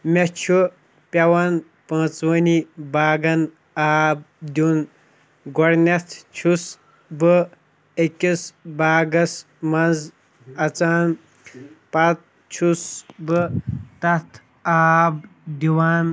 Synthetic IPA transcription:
mʲet͡ʃʰu | pʲɐwɐn | pɐ̃ːt͡swɐnibaːɡɐn | aːb̚d̪ʲun | ɡɔɾnɐt̪ʰt͡ʃʰus | bɨ | ekʲisbaːɡɐs | mɐnd͡z | ɐt͡saːn | pat̪̚ | t͡ʃʰusbɨt̪ɐt̪ʰ | aːbd̪iwaːn

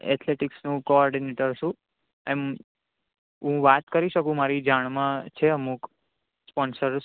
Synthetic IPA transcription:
ɛ̰t̪ʰleʈɪksnũkoɔɾɖineʈəɾʃũ | em | ɦũʋat̪kəɾiʃəkũmaɾid͡ʒaɳ̃mãt͡ʃʰeəmũk | spɔnsəɾ

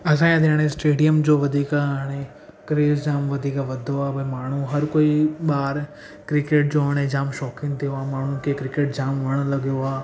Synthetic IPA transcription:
ɐs̬ãːãd̪ʱeːɽ̃ẽsʈeːɖijəmd͡ʑoːʋɐd̪ʱiːkaɦaːɽ̃e | kɾeːzd͡ʑaːmʋɐd̪ʱiːkaʋɐd̪ʱoaːbɐmaːɳ̤̃uɦɐɾkoːiɓaːɾ | kɾɪkeːʈ̚d͡ʑoːɦaːɽ̃ed͡ʑaːmʃɔːkɪ̃ŋɡt̪ʰijoaːmaːɳ̤ũkʰeːkɾɪkeːʈ̚d͡ʑaːmʋɐɽ̃lɐɠijoaː

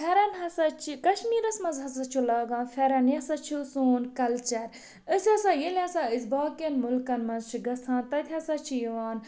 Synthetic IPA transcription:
pʰɛɾɐnɦɐsɐt͡ʃʰikɐʃmiːɾɐsmɐnzɦɐsɐt͡ʃʰulɐːɡãːnfʰɛɾɐnjɐsɐt͡ʃʰusuːnkɐlt͡ʃɐɾ | əsʲɐsaːjilʲɐsaizbaːkenmulkɐnmɐnzt͡ʃʰiɡɐsʰãːnt̪ɐt̪ʲʰɐsɐt͡ʃʰijiʋaːn

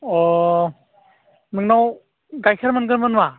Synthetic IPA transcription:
ɔ | nɯŋnaw | ɡajkʰaɾmɯnɡɯɾmɯnwa

